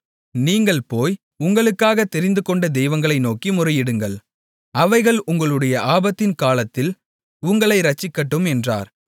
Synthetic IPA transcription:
niːŋɡɐɭpoːj | ʊŋɡɐɭɯkːaːɣɐt̪ːɛɾɪnd̪ɯkɔɳɖɐd̪ɛjʋɐŋɡɐɭɐɪnoːkimʊrɐjɪɽɯŋɡɐɭ | ɐʋɐɪɣɐɭʔʊŋɡɐɭɯɽɐjɐʔaːbɐt̪ːɪnkaːlɐt̪ːɪl | ʊŋɡɐɭɐɪɾɐt͡ʃːɪkːɐʈːɯmɛndra̰ːɾ

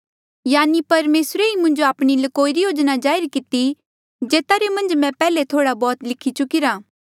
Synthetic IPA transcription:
jaːnipɐɾmeːsɾeimʊ̃nd͡ʒoaːpɽ̃ilɐkoːiɾijoːd͡ʒnad͡ʒaːɪɾkɪt̪i | d͡ʒeːt̪aɾemɐ̃nd͡ʒmɛ̃pɛːlet̪ʰoːɽabɔːt̪lɪkʰːit͡ʃʊkɪɾaː

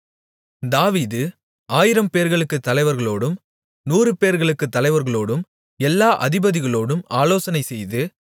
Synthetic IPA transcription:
d̪aːʋiːðɯ | aːjɪɾɐmpeːɾɣɐɭɯkːɯt̪ːɐlɐɪʋɐɾɣɐɭoːɽɯm | nuːrɯpeːɾɣɐɭɯkːɯt̪ːɐlɐɪʋɐɾɣɐɭoːɽɯm | ɛlːaːʔɐðɪbɐðɪɣɐɭoːɽɯmaːloːsɐnɐɪsɛjðɯ

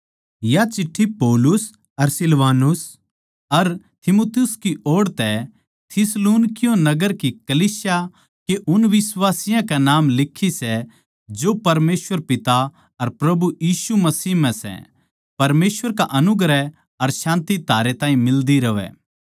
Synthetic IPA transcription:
jat͡ʃɪʈʰːipɔːlʊs | ɐɾsɪlʋaːnʊs | ɐɾ | t̪ʰɪmoːt̪jʊskiʔoːɽt̪ɛ | t̪ʰɪsluːnkɪjõnɐɡəɾkikɐliːsja | keʔʊnʋɪsʋaːsɪjãkɛnaːmlɪkʰːisɛ | d͡ʒoːpɐɾmeːswʋəɾpɪt̪a | ɐɾpɾɐbujiːʃumɐsiːɦm̤ɛ̃sɛ̰ | pɐɾmeːsʋəɾkaʔɐnʊɡɾɛ | ɐɾʃãːnt̪it̪aːɾet̪ãːĩmɪld̪iɾɐʋɛ̰ː

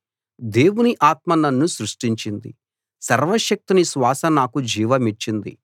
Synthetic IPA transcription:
d̪e̞ːwuniʔaːt̪̚mɐnɐnːusɾuʂʈiɲt͡ʃind̪ḭ | sɐɾʋɐʃɐk̚t̪inisʋaːsɐnaːkud͡ʒiːʋɐmit͡ʃːind̪ḭ

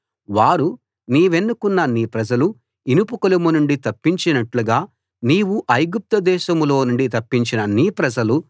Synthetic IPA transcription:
ʋaːɾu | niːʋe̞nːukunːɐniːpɾɐd͡ʒɐlu | inupukɐlumunuɳɖit̪ɐpːiɲt͡ʃinɐʈluɡaː | niːwuʔɐjɡup̚t̪ɐd̪ɛːʃɐmlo̞ːnuɳɖit̪ɐpːiɲt͡ʃinɐniːpɾɐd͡ʒɐlu

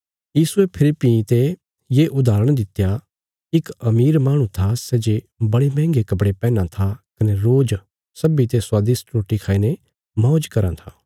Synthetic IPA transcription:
jiːsuepʰɪlɪpit̪e | jeːʔʊd̪aːɾəɽ̃d̪ɪt̪ja | ɪkɐmiːɾmaːɽ̃ũt̪ʰasɛːd͡ʒe | bɐɽemɛ̃ːŋɡekɐpɽepɛːnãt̪ʰakɐneɾoːd͡ʒ | sɐbit̪eswaːd̪ɪsʈɾoːʈikʰaːiːne | mɔ̃ːd͡ʒkɐɾã̰t̪ʰaː

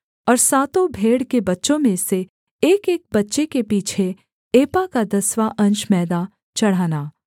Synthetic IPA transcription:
ɔːɾsaːt̪õbʱeːɽkebɐtːʃõmẽse | eːkeːk̚bɐtːʃekepiːt͡ʃʰe | eːpakad̪ɐswaʔɐ̃nt͡ʃmɛːd̪a | t͡ʃɐɽ̤aːnaː

